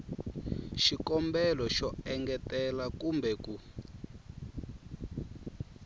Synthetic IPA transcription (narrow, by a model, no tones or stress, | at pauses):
ʃikɔmbɛlɔʃɔɛŋɡɛtɛlakumbɛku